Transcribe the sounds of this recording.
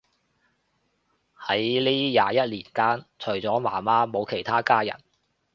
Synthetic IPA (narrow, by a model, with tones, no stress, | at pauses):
hɐ˨˥jliː˥jaː˨˧jɐ˦˥t̚liː˨˩nkaː˥nt͡ʃʰɵ˨˩ɥt͡sɔː˨˥maː˨˩maː˥mo˨˧wkʰe˨˩jt̪ʰaː˥kaː˥jɐ̰˨˩n